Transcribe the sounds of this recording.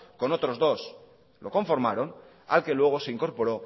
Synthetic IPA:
ko̞no̞t̪ɾo̞zðo̞s | lo̞ko̞ɱfo̞ɾmaɾo̞n | a̰lke̞lwe̞ɣ̞o̞se̞iŋko̞ɾpo̞ɾo̞

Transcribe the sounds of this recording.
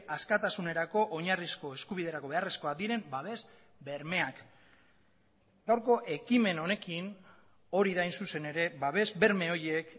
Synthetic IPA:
askat̪asune̞ɾako̞ʔoɲarisko̞e̞skuβiðe̞ɾako̞βe̞aresko̞akd̪iɾe̞mbaβ̞e̞z | be̞ɾme̞ak | k̪awɾko̞ʔe̞kime̞no̞ne̞kin | o̞ɾiðajnsuse̞ne̞ɾe̞baβ̞e̞zbe̞ɾme̞o̞jek

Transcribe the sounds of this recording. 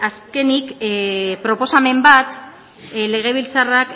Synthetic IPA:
aske̞nik | pɾo̞po̞same̞mbat̪ | le̞ɣ̞e̞βilt͡sarak

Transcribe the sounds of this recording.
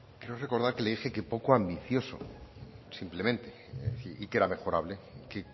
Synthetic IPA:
kɾeore̞ko̞ɾðaɾke̞leðixe̞kepo̞koambiθjo̞so̰simple̞mẽnt̪e | iike̞ɾame̞xo̞ɾaβle̞ke

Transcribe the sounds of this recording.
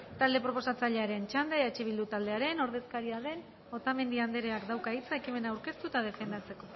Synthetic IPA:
t̪ald̪e̞pɾo̞po̞sat͡saʎe̞aɾe̞nt͡ʃand̪eeat͡ʃeβ̞ild̪ut̪ald̪e̞aɾe̞no̞ɾðe̞skaɾiaðe̞n | o̞t̪ame̞nd̪iand̪eɾe̞akd̪awkait͡sae̞kime̞naːwɾke̞st̪ut̪að̞e̞fe̞nd̪at͡se̞ko̞

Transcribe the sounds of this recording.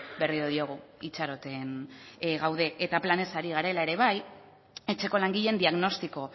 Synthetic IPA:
be̞rioðio̞ɣ̞uit͡ʃaɾo̞t̪e̞nɣawð̞e̞ʔet̪aplane̞saɾiɣ̞aɾe̞lae̞ɾe̞β̞aj | e̞t͡ʃe̞ko̞laŋɡiʎe̞nd̪iaɣno̞st̪iko̞

